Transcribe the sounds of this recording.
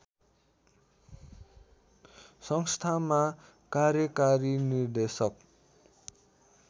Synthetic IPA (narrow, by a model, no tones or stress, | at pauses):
sʌŋst̪ʰama | karjʌkaɾinird̪esʌk